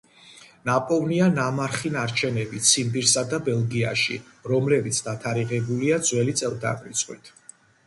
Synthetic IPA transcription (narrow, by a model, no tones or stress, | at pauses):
napʼɔvnianamaɾχinaɾt͡ʃʰɛnɛbit̪sʰimbiɾsad̪abɛlˠɡia̰ʃḭ | ɾɔmlɛbit̪sʰd̪at̪ʰaɾiʁɛbuliad̪zwɛlit̪sʼɛlˠd̪a̰mɾḭt̪sʼqʼwḭt̪ʰ